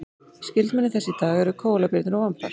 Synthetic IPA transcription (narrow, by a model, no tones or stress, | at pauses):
scɪlt̪mɛnɪθɛsːɪt̪aːɣɛɾʏkʰoːwlapɪɾt̪nʏɾɔwampa̰̥